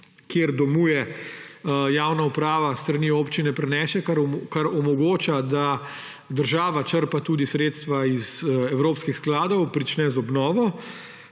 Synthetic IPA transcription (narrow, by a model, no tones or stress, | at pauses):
kjeɾd̪ɔmuːjɛ | jaːwnaupɾaːʋast̪ɾaniːoːpt͡ʃinɛpɾɛnɛːʃɛkaɾkaɾɔmɔɡoːt͡ʃad̪a | d̪əɾʒaːʋat͡ʃəɾpat̪uːd̪isɾeːt̪st̪ʋaizɛwɾoːpskixsklaːd̪ɔwpɾit͡ʃnɛzɔbnɔːʋɔ